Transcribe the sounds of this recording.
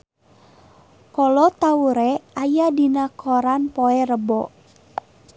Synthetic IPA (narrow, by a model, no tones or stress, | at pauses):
kɔlɔt̪auɾɛajadinakʰɔɾanpoɛrəbɔ